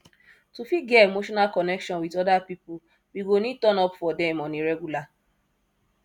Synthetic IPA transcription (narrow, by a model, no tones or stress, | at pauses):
tufiɡɛemoʃɔnalkɔnɛkʃɔ̃nwidɔdapipu | biɡonĩtɔ̃nɔpfɔdɛ̃mɔ̃nĩɾɛɡula